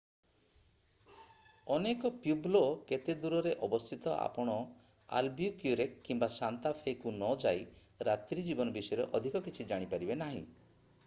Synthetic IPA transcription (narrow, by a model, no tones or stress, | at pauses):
ɔnekɔpjubloket̪ed̪uɾɔɾeʔɔbɔst̪ʰit̪ɔʔa̰pɔɽ̃ɔ | a̰lbijukjuɾekːimbasant̪apʰekunɔd͡ʒaj | ɾat̪ɾid͡ʒibɔnɔbisɔjɔɾeʔɔd̪ʱikɔkit͡ʃʰid͡ʒaɽ̃ipaɾibenaɦḭ̃